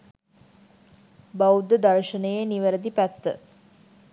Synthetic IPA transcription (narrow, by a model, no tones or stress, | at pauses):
bawud̪əd̪aɾʃənəjeniʋəɾəd̪ipæt̪ːə̰